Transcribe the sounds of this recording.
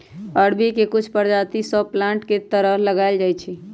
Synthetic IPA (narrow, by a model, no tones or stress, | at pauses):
əɽbikekʊt͡ʃʰpəɾd͡ʒat̪isɔplãɳʈket̪əɾəɦləɡald͡ʒaːjt͡ʃʰi